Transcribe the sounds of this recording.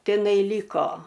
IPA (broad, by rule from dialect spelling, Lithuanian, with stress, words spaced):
tʲɪˈnɐɪ ˈlʲiːkoː